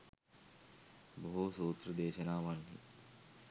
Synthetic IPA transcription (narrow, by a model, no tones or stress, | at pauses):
boɦusuːt̪rəd̪eːʃənaːʋanhḭ